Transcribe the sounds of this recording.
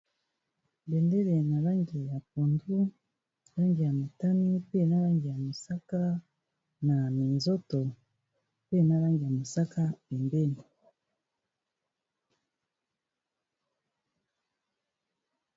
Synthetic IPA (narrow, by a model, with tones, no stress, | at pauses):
bɛ˨ndɛ˦le˨na˨la˦ŋɡi˨ja˨p̚o˨ndu˦˨ | la˦ŋɡi˨ja˨mo˨ta˦ni˦pe˦˨na˦la˦ŋɡi˨ja˨mo˨sa˦ka˦ | na˨mi˨nzo˦tɔ˨ | pe˦˨na˦la˦ŋɡi˨ja˨mo˨sa˦ka˦be˨mbe˦ni˨